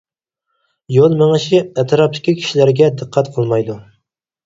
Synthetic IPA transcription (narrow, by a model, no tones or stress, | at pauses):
jolˠmeŋɨʃiɛt̪ʰɾɑp̚t̪ʰɪ̥kʲikʲʰi̥ʃilæɾɡʲɛd̪ɨqʰːæt̪qʰəlˠmɑjd̪u